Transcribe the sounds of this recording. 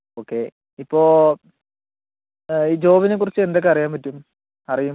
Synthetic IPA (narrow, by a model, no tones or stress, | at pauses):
oːkːe̞ | ipːo̞ː | iːd͡ʑo̞ːʋinekːurit͡ɕːɨe̞nd̪o̞kːeɐrijaːmpɐtːum | ɐrijum